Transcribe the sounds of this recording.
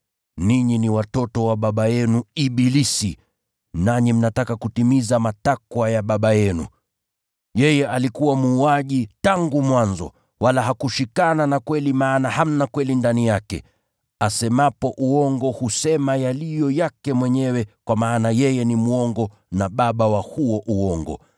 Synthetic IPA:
niɲiniwatɔtɔwaɓaɓajɛnuiɓilisi | naɲim̩natakakutimizamatakwajaɓaɓajɛnṵ | jɛjɛʔalikuwamuːaʄitaŋɡumwanzɔ̰ | walaɦakuʃikananakwɛlimaːnaham̩nakwɛlindanijakɛ̰ | asɛmapɔʔuɔŋɡɔhusɛmajalijɔjakɛmwɛɲɛwɛkwamaːnajɛjɛnimuɔŋɡɔ | naɓaɓawahuɔʔuɔŋɡɔ̰

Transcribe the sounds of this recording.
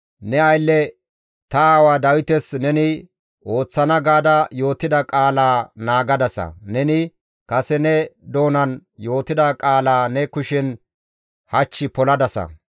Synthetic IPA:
nɛɐjlːɛ | t̪ɐaːwad̪ɐwɪt̪ɛsnɛnɪ | ʔo̞ːt͡sːɐnɐɡaːd̪ɐjo̞ːt̪ːɪd̪ɐkʼaːlaːnaːɡɐd̪ɐsɐ̰nɛnɪ | kɐsɛnɛd̪o̞ːnɐnjo̞ːt̪ɪd̪ɐkʼaːlaːnɛkʊʃɪn | hɐt͡ʃːɪpɔlɐd̪ɐsɐ̰

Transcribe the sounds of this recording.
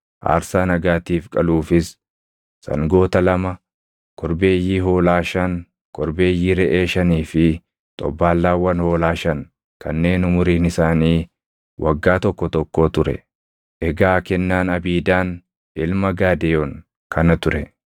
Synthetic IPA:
ʔa̰ːɾsaːnɐɡaːt̪iːfkʼɐluːfɪs | sɐ̰ŋɡo̞ːt̪ɐlɐmɐ | kʰɔɾbe̞ːjːiːɦo̞ːlaːʃɐn | kʰʼɔɾbe̞ːjːiːɾɛʔe̞ːʃɐniːfɪ | t̪ʼɔ̰bːaːlːaːwɐnho̞ːlaːʃɐŋ | kʰɐnːe̞ːnʊmʊɾiːnɪsaːniː | wʔɐɡːaːt̪ɔkːɔt̪ɔkːo̞ːt̪ʊɾɛ̰ | ʔɛɡaːkɛnːaːnɐbiːd̪aːn | ɪlmɐɡaːd̪eːɔŋ | kʰɐnɐt̪ʊɾɛ

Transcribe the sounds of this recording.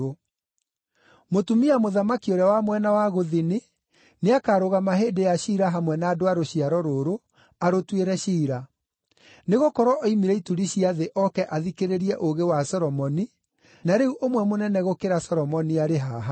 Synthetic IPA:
o | motumiamoðamakioɾawamwɛnawaɣoðine | neakaːɾoɣamaɦeːdejaɕiːɾaɦamwɛnaːdoaɾoɕiaɾɔɾoɾo | aɾotweɾɛɕiːɾa | neɣokɔɾwɔʔɔimiɾɛituɾiɕiaðeʔɔkɛʔaðikeɾeɾiɛʔoɣewasɔɾɔmɔni | naɾeuʔomwɛmonɛnɛɣokeɾasɔɾɔmɔniaɾeɦaːɦa

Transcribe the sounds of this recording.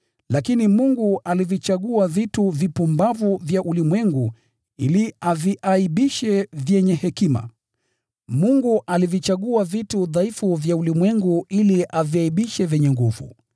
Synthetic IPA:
lakinimuŋɡuʔalivit͡ʃaɠuavituvipumbavuvjaʔulimwɛŋɡu | iliaviʔaiɓiʃɛvjɛɲɛhɛkima̰ | muŋɡuʔalivit͡ʃaɠuavituðaifuvjaulimwɛŋɡuiliʔaviaiɓiʃɛvɛɲɛŋɡuvṵ

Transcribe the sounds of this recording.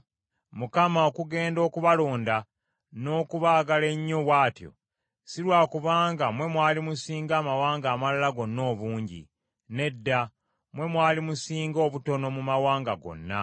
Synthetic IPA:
mukamaokuɡe̞ːndo̞ːkuβalo̞ːnda | no̞ːkuβaːɡale̞ɲːowaːtjo̞̰ | silwaːkuβaːŋɡamwe̞mwaːlimusiːŋɡaːmawaːŋɡaːmalalaɡo̞nːo̞ːβuːɲɟḭ | ne̞dːa | mwe̞mwaːlimusiːŋɡo̞ːβuto̞no̞mumawaːŋɡaɡo̞̰nːa̰

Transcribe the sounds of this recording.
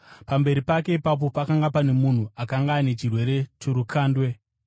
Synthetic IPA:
pambe̞ɾipake̞ipap̬o̞pakaŋɡapane̞mun̤uakaŋɡaːne̞t͡ʃirwe̞ɾe̞toɾukaːndwe̞

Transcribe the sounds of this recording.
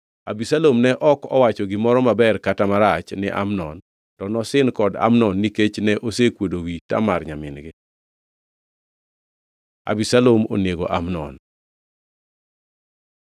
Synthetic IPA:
abisalomnɛʔɔkɔ̰wat͡ʃɔɡɪmɔɾɔmabɛrkatamaɾat͡ʃnɪ̰ʔa̰mnɔn | tɔnɔsɪnkɔda̰mnɔnːiket͡ʃnɛʔosekwodowita̰marɲamɪnɡɪ | a̰bisalomo̰neɡo̰ʔamnɔ̰n

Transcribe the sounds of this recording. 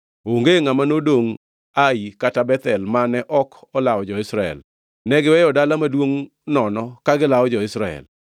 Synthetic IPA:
oŋɡeŋamanodoŋ | aikatabɛt̪ɛlmanɛʔɔkɔlaɔd͡ʒɔɪsɾaɛ̰l | nɛɡɪwɛjɔdalamadwoŋ | nɔnɔkaɡɪlawɔd͡ʒɔɪsɾaɛ̰l

